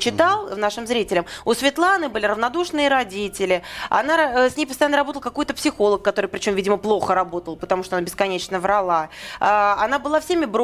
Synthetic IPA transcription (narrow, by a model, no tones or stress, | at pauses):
t͡ɕɪt̪alˠnaʂɨmzɾʲitʲɪlʲɪmʊsvʲɪt̪lˠanɨbɨlʲɪɾəvnɐd̪uʂnɨjəɾɐdʲitʲɪlʲɪɐ̰nasʲnʲejpəst̪ɐjanəɾɐbot̪əlˠkɐko̞jt̪əpsʲɪxo̞lˠəkːɐt̪o̞ɾɨjpɾʲɪt͡ɕo̞mvʲidʲɪməplˠo̞xəɾɐbo̞t̪əlˠpə̥t̪ɐmuʂt̪oɐnabʲɪskɐnʲet͡ɕnəvɾɐlˠaaanabɨlˠafsʲemʲɪbɾ